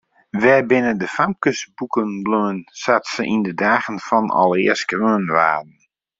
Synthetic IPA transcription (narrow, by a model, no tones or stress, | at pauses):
ʋɛjbɪnəndəfamkəsbukənbløənsatsəʔindədaːɣənfɔnɔ̰lˠɪəskrøːənʋa̰ːdn̩